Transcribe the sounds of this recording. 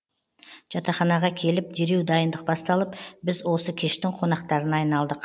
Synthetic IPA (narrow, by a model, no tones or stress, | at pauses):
ʒ̥ɑt̪ɑχɑnɑʁɑkʲʰe̞lɪp̚d̪e̞ɾe̞wd̪ɑjənd̪əq̚bɑst̪ɑlˠəpbɪzwo̞səkʲʰe̞ʃt̪ɪŋqʰo̞nɑqt̪ɑɾənɑjnɑlˠd̪əq